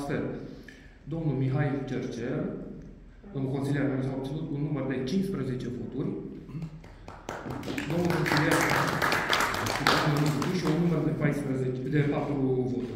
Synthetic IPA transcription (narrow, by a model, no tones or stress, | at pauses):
sfel | d̪o̞mnulmiɦailt͡ʃert͡ʃer | d̪omulko̞nsilijermeus̬awab̪̚ilut̪unːumərd̪e̞t͡ʃinspɾəze̞t͡ʃe̞vo̞t̪urʲ | d̪o̞mnulko̞nsiljer | ʃid̪aenusit̪uʃiunːumərd̪epajspɾəzed̪epat̪ɾuvo̞t̪uɾʲ